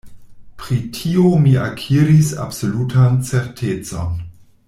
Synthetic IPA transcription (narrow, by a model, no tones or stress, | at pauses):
pɾitʰiomiakʰiɾisa̰bsolutʰant͡seɾtʰet͡so̰n